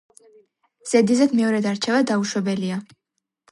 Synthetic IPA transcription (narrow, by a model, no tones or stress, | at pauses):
z̥ɛd̪izɛd̪mɛɔɾɛd̪aɾt͡ʃʰɛvad̪auʃwɛbɛlia